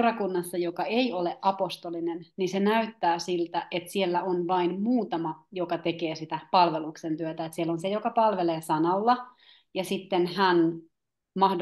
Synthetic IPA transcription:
rɑkunːɑsːɑjokɑeioleʔʔɑpost̪olinennisenæyt̪ːæːsilt̪æʔet̪sielːæonʋɑinmuːt̪ɑmɑjokɑt̪ekeːsit̪æpɑlʋeluksent̪yøt̪æet̪sielːonsejokɑpɑlʋeleːsɑnɑlːɑ | jɑsit̪ːenhæn | mɑhd

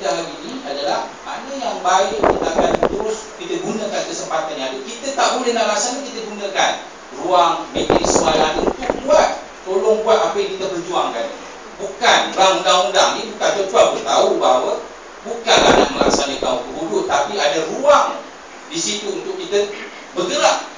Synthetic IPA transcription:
dalaniniadalahma̰nəjaŋbajiʔkit̪əakant̪uɾʊs | kit̪əɡunəkankəsəmpat̪anɲadəkit̪ət̪aʔbulehnahɾaksanəkit̪əɡunəkan | ruaŋmet̪nismuajanəbukanbuat̪̚ | t̪olɔŋbuat̪ambekit̪abərd͡ʒuaŋkan | bukanlaŋund̪aundaŋnibukant̪ərd͡ʒuaŋbutət̪aubaɦwə | bukana̰na̰ʔməla̰ksanək̪aukəbubʊʔt̪ːapiadaruaŋ | disit̪uːnt̪ʊk̚ːit̪ə | bəɡəlaʔ

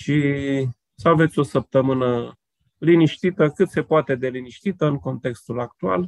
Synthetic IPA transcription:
ʃi | səave̞t̪sʲo̞səp̚t̪əmɨnə | liniʃt̪it̪əkɨt̪se̞poat̪e̞d̪e̞liniʃt̪it̪əɨŋko̞nt̪e̞kst̪ulak̚t̪ua̰l

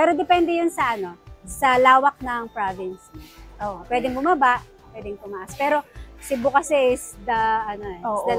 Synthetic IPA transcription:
pɛːɾo̞d̪ɛpɛnd̪ɛjʊnsɐʔɐno̞sɐlaːwɐk̚nɐŋpɹavɪnsiʔoːʔpwɛːd̪ɪŋbʊmɐbaʔ | pwɛːd̪ɛŋt̪ʊmaʔaspɛːɾo̞sɪbʊkɐsɛʔɪsd̪ɐʔɐnoɛod̪ɐ

